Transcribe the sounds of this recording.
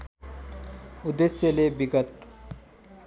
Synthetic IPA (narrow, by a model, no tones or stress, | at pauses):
ud̪esjelebiɡət̪